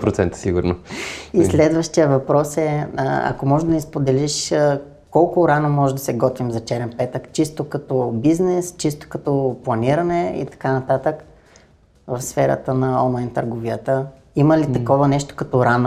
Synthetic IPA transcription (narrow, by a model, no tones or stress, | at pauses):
pɾot̪sɛnt̪ə̥siɡʊɾnoislɛd̪vəʃt̪ijəvɐpɾɔsɛɐ̰komɔʒɛd̪ɐnispod̪ɛliʃə | kɔlˠkʊɾanomɔʒɛd̪ɐsɛɡɔt̪vimzɐt͡ʃɛɾɛnpɛt̪əkt͡ʃist̪okɐt̪ɔbiznɛst͡ʃist̪o̥kɐt̪ɔplˠɐniɾɐnɛḭt̪ɐ̥kanɐt̪at̪ək | vɐfsfɛɾə̰t̪ənɐɔnlˠajnt̪əɾɡoviət̪ə | iməlit̪ɐkɔvənɛʃt̪o̥kɐt̪oɾano